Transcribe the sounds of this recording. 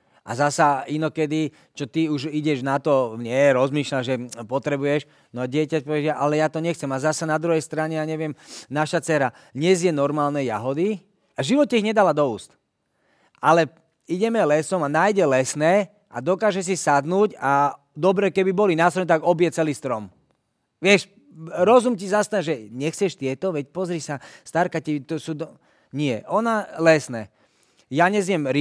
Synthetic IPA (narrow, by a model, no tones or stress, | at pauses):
a̰zasainɔkɛd̪i | t͡ʃɔt̪iuʒiɟɛʒnat̪ɔɲɪɛɾɔzmiːʃlaʒɛpɔt̪ɾɛbujɛʃ | nɔaɟɪɛcapɔʋiɛjaʔalɛjaːt̪ɔɲɛxt͡sɛmazasanad̪ɾuɦɛjst̪ɾaɲɛjaɲɛʋɪɛmnaʃat͡sɛɾa | d̪ɲɛzjɛnɔɾmaːlnɛjaɦɔd̪i | aʒiʋɔt̪̚ːɛiɣɲɛd̪alad̪ɔuːst̪ | ʔalɛ | iɟɛmɛlɛsɔmanaːjɟɛlɛsnɛː | ʔa̰d̪ɔkaːʒɛs̬isad̪nuːca | d̪ɔbɾɛkɛbibɔlinaːst̪ɾɔnɛt̪aɡɔbjɛt͡sɛliːst̪ɾɔm | ʋɪɛʃ | ɾɔzumcizast̪aʒɛɲɛxt͡sɛʃt̪ɪɛt̪ɔʋɛcpɔzɾisast̪aɾkacit̪ɔsud̪ | ɲɪɛʔɔnalɛsnɛː | jaɲɛzjɛmɾi